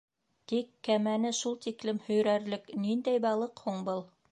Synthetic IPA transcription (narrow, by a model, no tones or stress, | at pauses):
t̪ikːæmænɘʃulˠt̪iklɘmhɵ̆jɾæɾlɘknind̪æjbɑlˠɤqhuɴbɤlˠ